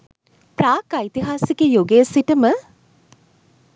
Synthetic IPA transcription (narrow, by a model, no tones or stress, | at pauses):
praːkajt̪iɦaːsikejoɡesiʈəmə